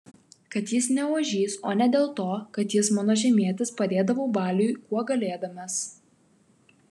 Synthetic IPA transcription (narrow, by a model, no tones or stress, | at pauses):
kɐt̪jɪsnʲɛuːʒʲiːsoːnʲɛd̪ʲeːlˠt̪oːkɐt̪jɪsmɐnoːʒʲɛmʲiɛt̪ʲɪspɐd̪ʲeːd̪ɐʋoʊbɑːlʲʊjkuɔɡɐlʲeːd̪ɐmʲeːs